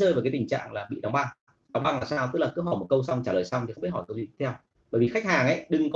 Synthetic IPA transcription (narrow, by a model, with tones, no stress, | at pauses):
əː˧jvkaː˨˦ti˨˩ŋt͡ɕa̰ː˧˨ŋlaː˨˩ɓḭ˧˨ɗa˨˦ŋ͡mɓa˧˩ŋ | ɗa˨˦wŋ͡mɓa˧˩ŋlaː˨˩saː˧wt̪ɨ˦˥laː˨˩kɨ˦˥˦ɦɔ˧˩mo˨˩t̚kə˧wsa˧wŋ͡mt͡ɕaː˧ləː˨˩jsa˧wŋ͡mt̪i˨˩xŋ͡mi˦˥t̚hʰɔ˧˩jkə˧wtwḭ˧˨˧w | ɓəː˧˩jvi˨˩xa˦˥k̚haː˨˩ŋʔə˧˥˦jɗɨ˨˩ŋkɔ˨˦